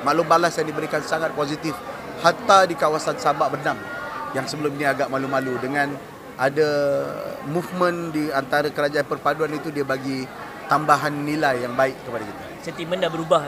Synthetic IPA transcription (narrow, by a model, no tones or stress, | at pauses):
malubalasaŋdibəɾikansaŋat̪̚pozit̪ɪf | hat̪adikawasansabaʔbərnam | jaŋsəbəlʊminiaɡaʔmalumaludəŋãn | ada | mufmə̃ndiant̪aɾakəɾad͡ʒaanpərpaduanit̪udiabaɡi | t̪ambaɦanːilajːaŋbaɪʔkəpadakit̪asənt̪iməndabəɾuba